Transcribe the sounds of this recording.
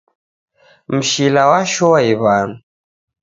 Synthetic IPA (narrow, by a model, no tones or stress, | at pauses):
m̩ʃilawaʃɔwaiβaːn